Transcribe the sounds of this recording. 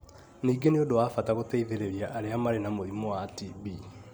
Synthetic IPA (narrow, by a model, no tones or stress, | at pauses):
niːɡeneodowaːfataɣotɛiðeɾeɾiaʔːɾeamaɾenamoðimɔwatibi